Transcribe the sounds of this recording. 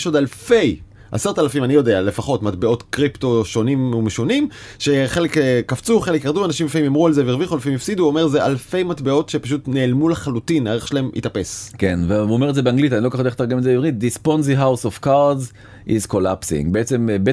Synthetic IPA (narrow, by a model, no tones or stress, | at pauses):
ʃo̞dalfe̞j | ʔa̰seʁt̪alafimanijo̞de̞ale̞faχo̞tmatbeo̞tkʁipto̞ʃo̞nimmeʃonimʃeχe̞lekkaft͡suχe̞lekeʁduanaʃimafaimjamʁualzeveiʁviχualfimjifsid̪uome̞zeʔa̰lfe̞jmatbeo̞tʃepaʃ̬utneːlmuleχalutinleʁeχʃlemʔḭt̪ape̞skenveuomeetzebeaŋɡlit̪̬anilo̞kaodet̪aʁɡemetzebivʁit̚d̪isponziɦawsovkaʁdz | izkolapsḭ̃ŋɡbeet͡sembe